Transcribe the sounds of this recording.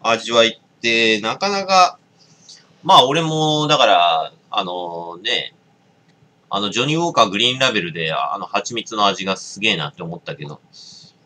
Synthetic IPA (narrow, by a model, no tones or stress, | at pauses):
aʑiβait̪ːe̞nakanaka | maːo̞ɾe̞mo̞d̪akaɾa | a̰no̞ne̞ | a̰no̞d͡ʑo̞ɲ̟ioːkaɡɯ̟ɾʲĩːnɾabe̞ɾɯ̟d̪e̞a̰no̞hat͡ɕimʲit͡sɨno̞aʑiɡasɨɡe̞ːna̰t̪ːeomo̞t̪ːake̞d̪o̞̰